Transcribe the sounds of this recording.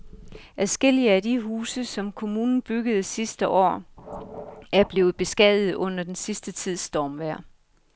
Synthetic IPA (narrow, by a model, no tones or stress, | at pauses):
ʔæsɡ̥el̰iəædiɦuːsəsɒ̽mkʰo̝muːnn̩b̥yɡ̥əð̞̩ˠsisd̥əʔɒ̰ː | æɐb̥le̝ːʊð̩ˠb̥e̝sɡ̥ɛðˠð̩ˠɔ̽n̰ɐd̥ensisd̥ət͡sʰið̰ˠsd̥ɒːmʋæɐ̰